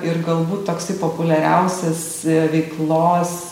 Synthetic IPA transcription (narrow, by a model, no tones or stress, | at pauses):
ɪrɡɐlˠbuːt̪t̪oːksɐɪpoːpʊlʲɛɾʲɛʊsʲɛs | ʋʲɛɪklˠoːs